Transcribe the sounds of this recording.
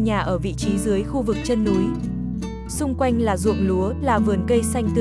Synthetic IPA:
ɲaː˨˩ʔəː˧˩vḭ˧˨t͡ɕi˨˦zɨ˨˦əjxu˧vɨ˨˩k̚t͡ɕə˧nːu˨˦j | sʊ˧ŋ͡mkwa˧jŋ̟laː˨˩zṵ˧˨əŋlu˨˦əlaː˨˩vɨ˨˩ənkə˧jsa˧jŋ̟t̪ɨ˨

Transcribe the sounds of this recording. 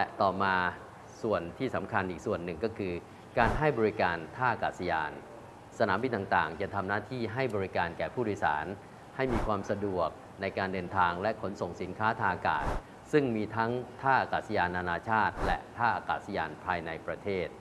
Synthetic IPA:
lɛ˦˥t̪ɔː˨˩maː˧ | su˨˩ənt̪ʰiː˥˩sa˩˦mkʰa˧nʔiː˨˩k̚su˨˩ənːɯ˨˩ŋkɔː˥˩kʰɯː˧ | kaː˧nɦa˥˩jbɔː˧ɾi˦kaː˧nt̪ʰaː˥˩ʔa˧kaː˨˩sa˧jaː˧n | sa˧naː˩˦mbi˧nt̪aː˨˩ŋt̪a̰ː˨˩ŋt͡ɕa˨˩t̪ʰa˧mnaː˥˩t̪ʰiː˥˩ɦa˥˩jbɔː˧ɾi˦˥kaː˧nkɛː˨˩pʰuː˥˩doː˧jsa̰ː˩˦n | ha˥˩jmiː˧kʰwaː˧msa˧du˨˩ək̚ | na˧jkaː˧ndɤː˧nt̪ʰaː˧ŋlɛ˦˥ʔkʰo˩˦nso˨˩ŋsi˩˦nkʰaː˦˥t̪ʰaː˧ʔa˧ka̰ː˨˩t̪̚ | sɯ˥˩ŋmiː˧t̪ʰa˦˥ŋt̪ʰaː˥˩ʔaː˧kaː˨˩t̪̚sa˧jaː˧nːaː˧naː˧t͡ɕʰaː˥˩t̪̚lɛ̰˦˥ʔt̪ʰaː˥˩ʔaː˧ka̰ː˨˩t̪̚sa˧jaː˧npʰaː˧jna˧jpɾa˧t̪ʰeː˥˩t̪̚

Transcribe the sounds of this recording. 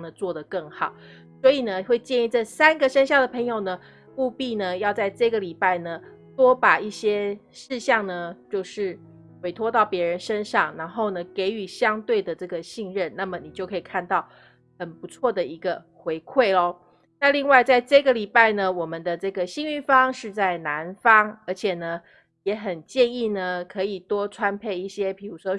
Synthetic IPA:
ŋnə˩t͡swɔ˥˩d̪ə˩kə˥˩ŋxɑ˨˩˦ʊ | swɔ˧˥i˨˩nə˦xwe˥˧ɪt͡ɕjɛ˥˧ni˥˧ʈ͡ʂə˥˩sa˥nɡə˨ʂə˥nɕ̬jɑ˥˩ŋd̪ə˩pʰɤ˧˥ŋjo˨ʊnə˩ | mu˥˧pi˥˩nə˩jɑ˥˧ʊt͡sa˥˧ɪʈ͡ʂɤ˥˩ɡə˩li˨˩pa˥˩ɪnə˩ | t̪wɔ˥pa˨˩i˥˩ɕjɛ˥ | ʂɻ̩˥˧ɕjɑ˥˩ŋnə˩t͡ɕjo˥˧ʊʂɻ̩˥˩ | xwe˨˩ɪt̪ʰwɔ˥t̪ɑ˥˩ʊpjɛ˧˥ɻə˧˦nʂə˦˥nʂɑ˥˩ŋɻa˧˥nxo˥˩ʊnə˩ke˧˥ɪy˨˩ɕjɑ˥ŋt̪we˥˩ɪd̪ə˩ʈ͡ʂɤ˥˩ɡə˩ɕi˥˧ŋɻə˥˨nna˥˩mə˨ni˨t͡ɕjo˥˩ʊkʰi˨˩kʰa˥˧nt̪ɑ˥˩ʊ | xə˨˩npu˧˥t͡sʰwɔ˥˩d̪ə˨i˧˥ɡə˧ | xwe˧˥ɪkʰwe˥˩ɪlɔ˦ | na˥˧li˥˧ŋwa˥˧ɪt͡sa˥˧ɪʈ͡ʂɤ˥˧ɡə˩˨li˨˩pa˥˩ɪnə˩wɔ˨˩mə˦nd̪ə˨ʈ͡ʂɤ˥˩ɡə˩ɕi˥˧ŋy˥˩fɑ˥ŋʂɻ̩˥˧t͡sa˥˩ɪna˧˥nfɑ˥ŋə˞˧˥t͡ɕʰjɛ˨˩nə˩ | jɛ˧˥xə˨˩nt͡ɕjɛ˥˧ni˥˩nə˩kʰɤ˧˥i˨˩t̪wɔ˥ʈ͡ʂʰwa˥npʰe˥˧ɪi˥˩ɕjɛ˥pʰi˨˩ɻu˧˥ʂwɔ˥

